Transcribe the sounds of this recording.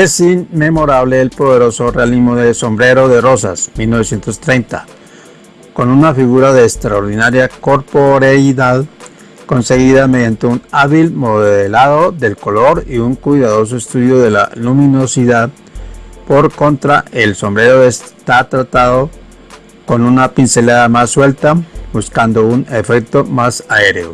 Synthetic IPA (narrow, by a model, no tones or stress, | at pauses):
e̞sinmemo̞ɾaβle̞ːlpo̞ðe̞ɾo̞so̞realizmoðeso̞mbɾe̞ɾo̞ðe̞ro̞sa̰smilno̞βesje̞nt̪o̞st̪ɾe̞jnt̪a̰ | ko̞nunafiɣuɾaðe̞ːkst̪ɾaoɾðinaɾjako̞ɾpoɾaiðað | ko̞nse̞ɣiðame̞ðjant̪e̞unaβilmo̞ðeelaðo̞ðe̞lko̞lo̞ɾiuŋkwujðaðo̞s̬o̞est̪uðjo̞ðe̞la̰lumĩno̞siðað | po̞ɾko̞nt̪ɾae̞lso̞mbɾe̞ɾo̞est̪at̪ɾat̪aðo̞ | ko̞nunapinse̞laðamasːwe̞lt̪abuskand̪o̞une̞fe̞k̚t̪o̞masae̞ɾeo̰